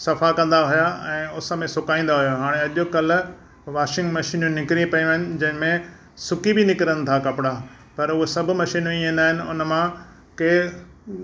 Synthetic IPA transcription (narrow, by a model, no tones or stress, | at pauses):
sɐfakɐ̃nd̪aɦʊjaɛ̃ːʊsə̆mẽsʊkaːĩːn̆d̪aɦujoɦaːɽ̃ẽɐʄokɐl̆ | ʋaːʃɪ̃ŋɡmɐʃiːnũnɪkɾipɐjũɦəɪnɪ̆d͡ʑɐ̃ɦɪ̃mẽ | sʊkibinɪkɪɾənɪ̆t̪ʰakɐpɪɽa | pɐɾʊɦesɐbʱʊ̆mɐʃiːnõĩːn̆d̪aːɦɪnɪ̆ʊ̰nəmã | keː